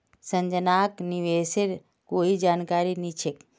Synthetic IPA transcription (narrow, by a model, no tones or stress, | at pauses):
sənd͡ʒənaːkniʋeːseɾ | koːid͡ʒaːnkaːɾinit͡ʃʰek